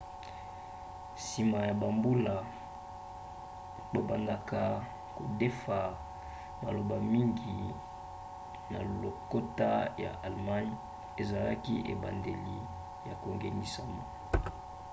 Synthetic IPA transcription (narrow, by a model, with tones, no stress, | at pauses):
si˨ma˨ja˨ba˨mbu˦la˨ | bo˨ba˨nda˨ka˨ | ko˨de˦fa˨ | ma˨lo˨ba˨mi˦ŋɡi˨ | na̰˨lo˨ko˦ta˦ja̰˨ʔa˨lma˦n | e˨za˨la˦ki˦ʔḛ˨ba̰˨nde˨li˨ | ja˨ko˨ŋɡe˨ni˦˨sa̰˨ma˦